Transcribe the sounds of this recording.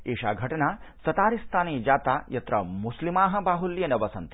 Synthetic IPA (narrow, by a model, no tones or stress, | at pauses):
eːʃa̰ːɡʱɐʈɐnaːsɐt̪aːɾist̪ʰaːneːd͡ʒaːt̪aːjɐt̪ɾɐ̰muslimaːɦɐ̆baːɦuljɐnɐʋɐsɐnt̪i